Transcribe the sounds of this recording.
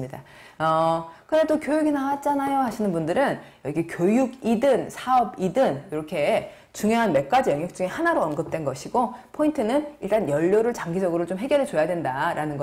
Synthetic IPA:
mɲida | ʌkɯɾedokjojuɡinawat̚t͡ɕ͈anajohaɕʰinɯnbundɯɾɯnjʌɡiɡekʲjojuɡidɯnsʰaʌbidɯniɾʌkʰe̞ | t͡ɕuŋjoɦanme̞k̚k͈ad͡ʑijʌŋjʌk̚t͡ɕ͈uŋehanaɾoʌnɡɯp̚t͈we̞nɡʌɕʰiɡopʰointʰɯnɯniɭt͈anjʌʎːoɾɯɭt͡ɕaŋɡid͡ʑʌɡɯɾot͡ɕomɦe̞ɡjʌɾɯɭt͡ɕojadwendaɾanɯnɡʌ

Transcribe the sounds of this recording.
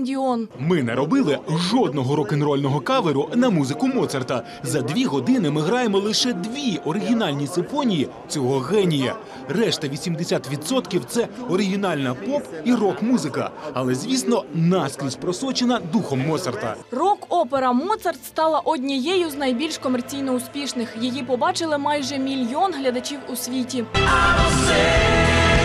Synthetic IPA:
nʲdʲiɔnmɪnɛ̰ɾɔbɪlˠɪʒɔd̪nɔɦɔɾɔkɪnrɔlʲnɔɦɔkɑʋeɾʊnɐmuzɪkʊmɔt̪sɐrt̪ɐ | zɐd̪ʋʲiɦɔd̪ɪnɪmɪɦɾɑjemɔlˠɪʃɛd̪ʋʲiʔɔɾɪɦʲinɑlʲnʲisɪpɔnʲiji | t͡sʲɔɦɔɣɛnʲijɐ̰ | rɛʃt̪ɐʋʲisʲimd̪esʲat̪ʋʲid̪sɔt̪kʲiwt̪sɛɔɾɪɦʲinɑlʲnɐpɔpirɔkmuzɪkɐ̰ɐlˠɛzʲʋʲisnɔnɑsklʲisʲpɾɔsɔt͡ʃenɐd̪uxɔmːɔt̪sɐrt̪ɐ̰rɔkɔpeɾɐmɔt̪sɐrt̪st̪ɑlˠɐʔɔdʲnʲijɛjʊznɐjbʲilʲʃkɔmɛrt͡sʲijnɔʊspʲiʃnɪxjijipɔbɑt͡ʃɪlˠɪmɑjʒɛmʲilʲjɔnɦlʲɐd̪ɐt͡ʃʲiwʊsʲʋʲitʲi

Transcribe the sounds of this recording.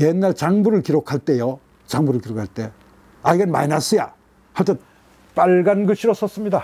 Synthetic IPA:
jenːaɭt͡ɕaŋbuɾɯɭkiɾokʰaɭt͈e̞jo | t͡ɕaŋbuɾɯɭkiɾokʰaɭt͈e̞ | aiɡenmainas͈ɯja | haɭt͈ɯn | paɭɡanɡʌɕʰiɾos͈ʌs͈ɯmɲida

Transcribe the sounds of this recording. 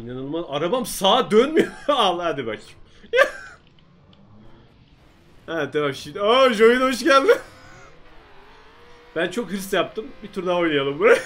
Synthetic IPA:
nanɯnˠmaaɾabamsaːd̪ønmyjoalˠad̪ibak | ja | ɛt̪ːɛvamʃid̪aʒojunɦo̞ʃ̬ɟælʲd̪ɪ | b̥ænt͡ʃʰo̞khɯɾst̪jap̚t̪ʰɯmbit̪ʰuɾd̪ao̞jnajalˠɯmbuɾaj

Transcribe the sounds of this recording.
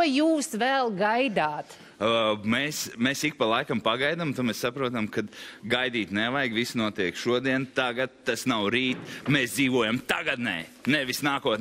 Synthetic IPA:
juːsʋɛlˠɡajd̪aːt̪ | mesmesik̚palˠajkampaɡajd̪amt̪umɛssapɾuɔt̪amkad̪ɡajd̪iːt̪nɛʋajɡʋisnuɔt̪iɛkʃuɔd̪iɛnt̪aɡat̪̚t̪ːasnawɾiːt̪meːsd̪ziːʋuɔjamt̪aɡad̪nɛ̰ːnɛʋisnaːkuɔt̪n

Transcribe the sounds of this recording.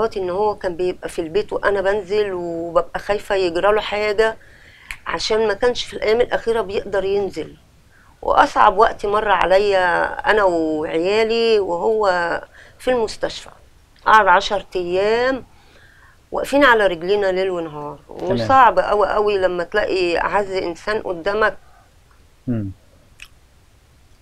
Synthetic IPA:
ɑːt̪iʔenːhowːækæːmbejeb̚ʔæfilbeːt̪weʔænæbænzelwebæbʔæxæjfæjeɡɾɑloħaːɡæ | ʕa̰ʃæːnmækæːnʃfilʔæjːæːmelʔæxiːɾæbejeʔd̪ɑɾˤjenzel | wʔḛʔɑsˤʕɑ̰bwæʔt̪imɑrˤːɑʕa̰læjːæʔæ̰næweʕejæːliweɦowːæ | filmʊst̪æʃfæ̰ | ʔɑ̰ʕod̪ʕɑʃɑɾˤt̪æjːæːm | wʔæ̰ʔfiːnʕalæɾeɡliːnælelwenɦɑːɾˤwesˤɑʕbʔæwiʔæwilæmːæt̪læʔiʕazːʔensæːnʔo̰d̪ːæːmæk̚

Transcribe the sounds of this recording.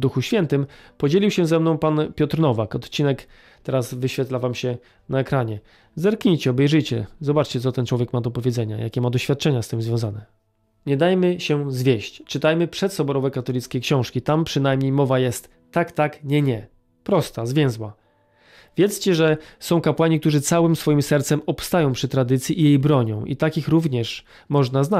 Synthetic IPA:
d̪uxuɕfʲjɛnt̪ɘmpɔd͡ʑelʲiwɕɛzɛmnɔ̃w̃panpʲjɔt̪ɾnɔvakɔt̪t͡ɕinɛk | t̪ɛɾasvɘɕfʲɛt̪lavamɕɛ | naɛkɾaɲɛ | zɛɾkɲijt͡ɕɛɔbɛjʐɘjt͡ɕɛ̰zɔbat͡ʂt͡ɕɛt̪sɔt̪ɛnt͡ʂwɔvʲjɛkmad̪ɔpɔvʲjɛd̪zɛɲa̰ja̰kʲɛmad̪ɔɕfʲjat̪̚ːt͡ʂɛɲast̪ɘmzvʲjɔ̃w̃zanɛ | ɲɛd̪ajmɘɕɛzvʲeɕt͡ɕt͡ʂɘt̪ajmɘpʂɛt̪sɔbɔɾɔvɛkat̪ɔlʲit̪skʲejkɕɔ̃w̃ʂkʲit̪ampʂɘnajmɲejmɔvajɛst̪ːakt̪akɲɛɲɛ | pɾɔst̪azvʲjɛ̃w̃zwa̰ | vʲjɛt̪st͡ɕɛʐɛsɔ̃w̃kapwaɲikt̪uʐɘt̪sawɘmsfɔjimsɛɾt̪sɛmɔpst̪ajɔ̃w̃pʂɘt̪ɾad̪ɘt̪sʲjiʔːjejbɾɔɲɔ̰̃w̃ʔḭt̪akʲixɾuvɲɛʂ | mɔʐnazna

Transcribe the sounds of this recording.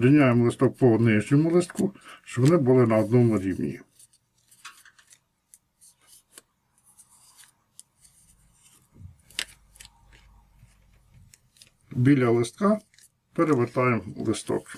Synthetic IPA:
ɾenʲɑjemlˠɪst̪ɔk̚pɔnɪʒɲʲɔmʊlˠɪst̪kuʃt͡ʃɔʋɔnɪbʊlˠɪnɐɔd̪nɔmʊɾʲiwnʲḭ | bʲilʲɐlˠɪst̪̚kɑ | peɾeʋet̪ɑjemlˠɪst̪ɔ̰k

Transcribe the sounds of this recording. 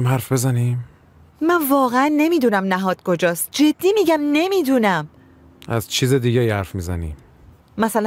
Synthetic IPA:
mɦæɾfbe̞zæniːm | mænvɒːɣeænːe̞miːd̪uːnæmnæɦɒːd̪̥̚kʰo̞d͡ʒɒːst̪̚d͡ʒe̞d̪ːiːmiːɟæmne̞miːd̪uːnæm | ʔæ̰zt͡ʃʰiːzed̪iːɟæihæɾfmiːzænḭːm | mæsælæ

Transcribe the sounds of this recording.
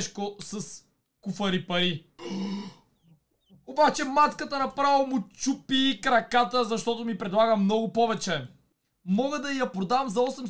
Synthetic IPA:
ʃkosɐs | kufɐɾipɐɾi | obat͡ʃɛmat̪kət̪ənɐpɾavɐmʊt͡ʃupikɾɐkat̪əzɐʃt̪ɔt̪ʊmipɾɛd̪lˠaɡəmnɔɡʊpɔvɛt͡ʃɛ | mɔɡəd̪ɐijɐpɾod̪avɐmzɐɔsɛm

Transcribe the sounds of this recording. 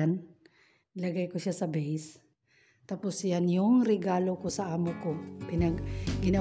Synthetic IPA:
an | lɐɡajkoʃasɐbɛjs | t̪aposjanjʊŋɾɛɡaːlokosɐʔaːmokopɪnɐɡɡɪnɐ

